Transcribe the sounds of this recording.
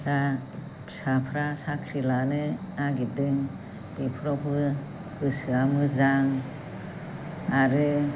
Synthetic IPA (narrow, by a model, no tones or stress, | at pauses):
da | sapʰɾasakʰɾilanɯaɡidɯŋ | bipʰɾɔpʰɯ | ɡ̥ɯsɯamɯzaŋ | aɾɯ